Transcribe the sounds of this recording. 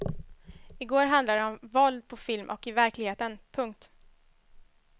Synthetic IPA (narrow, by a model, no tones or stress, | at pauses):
ɪɡoːɾɦand̪laɖ̪ɛɔmvɔld̪̚pʰɔfɪlmʔɔ̰kɪvæɾklɪɡheːt̪ənpʰɵŋk̚t̪